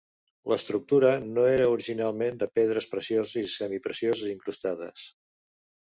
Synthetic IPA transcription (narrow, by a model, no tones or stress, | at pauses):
ləst̪ɾuk̚t̪uɾənoeɾəuɾiʒinalˠmend̪əpeð̞ɾəspɾəsiozisɛmipɾəsiozəziŋkɾust̪aðə̰s